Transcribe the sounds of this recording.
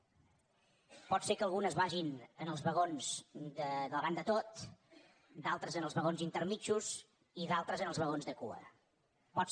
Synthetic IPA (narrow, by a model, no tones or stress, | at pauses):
pɔt̪sekəːlˠɣ̞unəzβaʒinənəlˠzβəɣonzd̪əðələβand̪ət̪ot̪ | d̪alˠt̪ɾəzənəlˠzβəɣonzint̪ərmit͡ʃuz | iðalˠt̪ɾəzənəlˠzβəɣonzðəkṵə̰ | pɔt